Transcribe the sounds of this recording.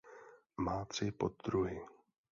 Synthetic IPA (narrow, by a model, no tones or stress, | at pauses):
maːt̪r̝̥ɪpod̪̚d̪ɾuɦɪ